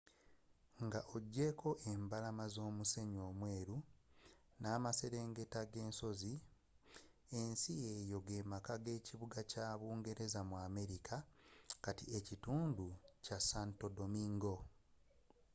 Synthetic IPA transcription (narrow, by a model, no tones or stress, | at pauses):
ŋɡaʔo̞ɟːe̞kʰo̞ʔe̞mbalamazo̞ːmuse̞ɲo̞ːmwe̞ːɾu | naːmase̞ɾe̞ːŋɡe̞taɡe̞ːnso̞zi | e̞nsiejo̞ɡe̞ːmakaɡe̞ːciβuɡacaːβuːŋɡe̞ɾe̞zamwaːme̞ɾikʰakatiecituːnducasanto̞do̞miŋɡo̞